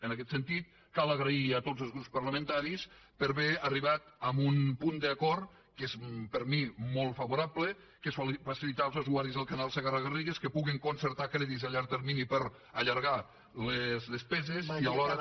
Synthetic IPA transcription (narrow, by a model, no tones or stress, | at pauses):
ənəkɛt̪sənt̪it̪̚ | kaləɣɾəiət̪ozəlˠzɣɾupspəɾləmə̃nt̪aɾis | pəɾβeəriβat̪əmbunpund̪əːkɔɾ | kezpəɾmimɔlˠt̪fəβuɾablə | kesfəsilit̪alˠzəzuaɾizðəlˠkanalˠsəɣarəɣəriɣeskəpuɣiŋkunsəɾt̪akɾɛðizəʎaɾt̪əɾminipəɾ | əʎəɾɣa | ləzləspɛzeziəlɔɾə